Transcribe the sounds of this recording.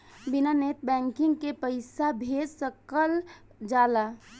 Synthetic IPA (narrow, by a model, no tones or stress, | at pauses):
binanet̪bɛ̃ŋkɪŋɡkepəɪsabʱed͡ʒsəkəl | d͡ʒaːla